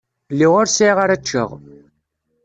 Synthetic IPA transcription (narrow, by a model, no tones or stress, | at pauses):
lːiʁʊɾsiʁaɾæt͡ʃːə̰ʁ